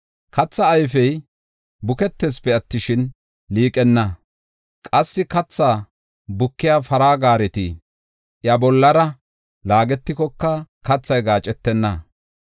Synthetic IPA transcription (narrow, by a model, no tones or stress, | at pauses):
kɐt͡sːɐːjfɛj | bʊkɛt̪ːeːspɛɐt̪ːɪʃɪn | liːkʼɛnːɐ | kʼɐsːɪkɐt͡sːaː | bʊkːɪjaːfɐɾaːɡaːɾɛt̪ɪ | ʔjɐbɔlːɐɾɐ | laːɡɛt̪ːɪkɔkːɐkɐt͡sːɐjɡaːt͡ʃʼɛt̪ːɛnːɐ